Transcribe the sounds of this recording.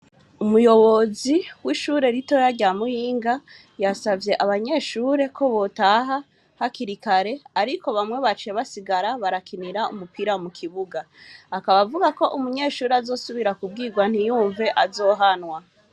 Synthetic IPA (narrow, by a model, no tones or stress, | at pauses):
umujo̞βo̞ziwiʃuːɾe̞ɾito̞jaɾɟamujiːŋɡa | jasavje̞ʔaβaɲe̞ːʃuːɾe̞kʰo̞βo̞taɦa | hakiɾikaɾe̞aɾikʰo̞βamŋe̞βat͡ʃe̞βasiɡaɾaβaɾakʰiniɾaumupʰiɾamukʰiβuɡaː | kaβavuɡako̞ʔumuɲe̞ːʃuːɾeazo̞ːsuβiɾakub̚ɡiːɡwan̥ijuːɱve̞ʔazo̞ːɦanwa